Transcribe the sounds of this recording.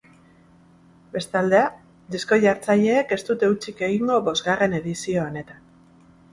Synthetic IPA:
be̞st̪ald̪e̞a | d̪isko̞ʝaɾt͡saʎe̞ːke̞st̪ut̪e̞ut͡ʃike̞ɣiŋɡo̞βo̞zɣare̞ne̞ðisio̞ːne̞t̪an

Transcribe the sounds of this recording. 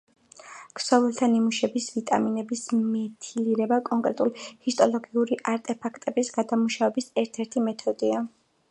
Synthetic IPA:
kʰsɔvɛlˠt̪ʰanimuʃɛbisvit̪ʼaminɛbismɛt̪ʰiliɾɛbakʼɔŋkʼɾɛt̪ʼulhist̪ʼɔlˠɔɡiuɾiʔaɾt̪ʼɛpʰakʰt̪ʼɛbisɡad̪amuʃavɛbisɛɾt̪ʰɛɾt̪ʰimɛt̪ʰɔd̪ia

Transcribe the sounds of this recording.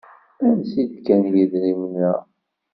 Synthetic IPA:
æmsid̪kænjiðɾimənːæ

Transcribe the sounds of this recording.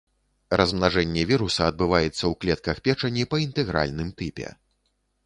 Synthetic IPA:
rɐzmnaʐɛnʲːɛvʲiɾusɐɐd̪̚bɨvajɛt̪sːɐwklʲɛt̪̚kɐxpʲɛt͡ʂɐnʲːipɐint̪ɛɣɾa̰lʲnɨmt̪ɨpʲɛ̰

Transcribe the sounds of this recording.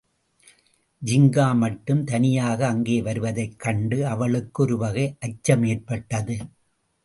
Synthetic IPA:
d͡ʒɪŋɡaːmɐʈːɯmt̪ɐnɪjaːɣɐːŋɡeːʋɐɾɯʋɐðɐɪkːɐɳɖɯɐʋɐɭɯkːɔɾɯʋɐɣɐɪʔɐt͡ʃːɐmeːrpɐʈːɐðɯ

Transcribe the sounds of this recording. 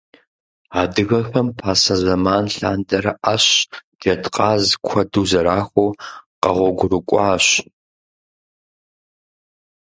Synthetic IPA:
aːdɨɣɐxɐmpʰaːsɐzɐmaːnɬa̰ːndɐɾɐʔaɕd̥etqʼɑːzkʷʰɐduːzɐɾaːxʷoːqɐʁʷɔɡʷʊrɨkʷʼɑːɕ

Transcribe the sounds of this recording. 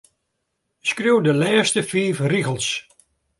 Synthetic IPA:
skrjuwdəlɛːstəfiːfriɣəlˠs

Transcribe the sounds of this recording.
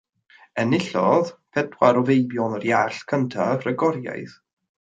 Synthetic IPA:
ɛnɪɬɔðpʰɛdwaɾɔvejbjɔnərjaɬkʰəntʰavrəɡɔɾja̰jθ

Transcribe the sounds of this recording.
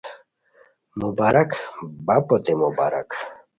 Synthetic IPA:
mubaɾakbapʼɔt̪imubaɾa̰k

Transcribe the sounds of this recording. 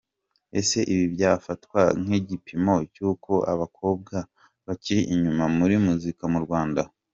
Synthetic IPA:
e̞̰se̞ʔiβiβjaːfatwa̰ŋ̥iɟipʰimo̞cuːko̞ʔaβakʰo̞ːb̚ɡa | βaciɾiʔiɲumamuɾimuzikamuɾɡwaːnda

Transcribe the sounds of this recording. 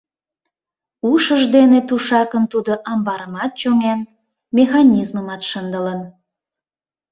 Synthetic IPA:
uʃəʒd̪enet̪uʃɑkənt̪ud̪oʔɑmbɑɾəmɑt̪̚t͡ɕoŋen | mʲexɑnʲizməmɑt̪ʃənd̪ələn

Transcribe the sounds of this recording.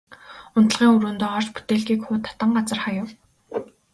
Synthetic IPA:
ʊnt̪ə̆ɮʁiːŋɵɾoːnt̪ʊːɔr̥t͡ɕpu̥t̪eːɮɣiːkxʊːt̪ʰːɔ̥t̪ə̆ɴɢat͡sə̆rχajʊ̆w

